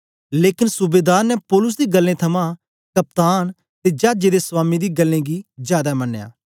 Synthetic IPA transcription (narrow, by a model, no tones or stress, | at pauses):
leːkɪnsʊbeːd̪aːɾnɛpɔːlʊs̬d̪iːɡəlːẽːt̪ʰɐmã | kɐp̚t̪aːn | t̪ed͡ʒaːd͡ʒeːd̪eːswaːmid̪iːɡəlːẽːɡiːzjaːd̪aːmɐnːeja̰ː